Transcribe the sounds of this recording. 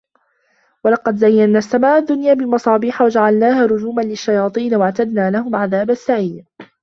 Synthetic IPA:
wɑlɑqɑd̪zajːanːaːsːamaːʔʊd̪ːʊnjaːbɪlmɑsˤɑːbiːħawad͡ʒaʕalnaːɦaːɾˤʊd͡ʒuːmanlɪʃːajɑːt̪ˤiːnwaʕt̪ad̪naːlahʊmʕaðaːbasːaʕiːd

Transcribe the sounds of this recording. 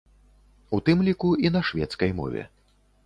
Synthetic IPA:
ut̪ɨmlʲikuinɐʂvʲɛt̪skɐjmɔ̰vʲɛ̰

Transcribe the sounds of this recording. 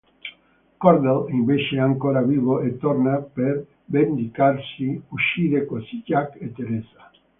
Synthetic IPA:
koɾd̪elimbeʃeaŋkoɾaβiβoʔet̪oɾnapeɾ | bend̪ikaɾsiuʃiðekosicaket̪eɾesḁ

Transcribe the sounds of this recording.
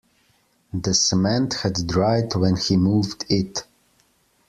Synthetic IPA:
ðɨsəmɛ̃nthɨddɹaɪdwɛ̃nhimuvdɪt

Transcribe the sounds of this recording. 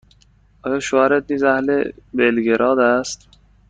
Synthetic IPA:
ɒːjɒːʃohæɾet̪̚niːzæhlebelɡeɾʔɒːd̪æst̪

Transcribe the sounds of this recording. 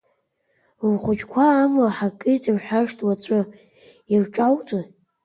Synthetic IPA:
lχʷʊt͡ʃʰkʷʰaːmlaħakʼɨjtʼrħʷaʂtʼwat͡ɕʷʼɨ | irʈ͡ʂʼawtʰʼa

